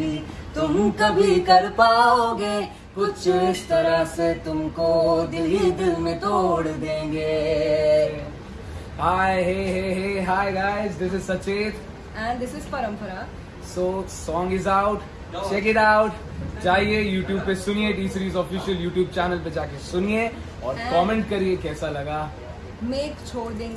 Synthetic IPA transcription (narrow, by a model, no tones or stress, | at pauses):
it̪ʊmkɐbʱikɐɾpaːoɡeː | kʊtt͡ʃʊɪst̪ɐɾaset̪ʊmkod̪ɪlid̪ɪlmẽt̪oːɽd̪ẽːɡeː | haːɪɦeɦeɦeːɦaːɪɡaːɪzd̪ɪsɪzsɐt͡ʃeːt̪ | ɛ̃ɳd̪ɪsɪzpɐɾə̃mpəɾa | soːsɔ̃ːŋɡɪzaʊʈ | t͡ʃɛːkɪʈaʊʈ | d͡ʒaːɦiejuːʈjuːb̚pesʊnieɖiːsɾiːzɔfɪʃəljuːʈjuːb̚t͡ʃæːnəlped͡ʒaːkesʊnie | ɔːɾkɔːmẽɳʈ̚kɐɾiekɛːsalɐɡaː | meːkt͡ʃʰoːɽd̪ẽː